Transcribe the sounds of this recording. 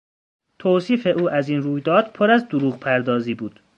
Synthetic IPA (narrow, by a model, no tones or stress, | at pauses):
t̪ʰoːsiːfe̞ʔuːʔæziːnruːjd̪ɒːd̪̥̚pʰoɾæzd̪oɾuːɣpʰæɾd̪ɒːziːbuːd̪̥